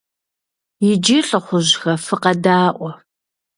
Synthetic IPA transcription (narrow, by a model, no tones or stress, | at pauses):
jɪd͡ʒiɬʼɨχʷʊʑxɐfɨqɐdaːʔʷɔ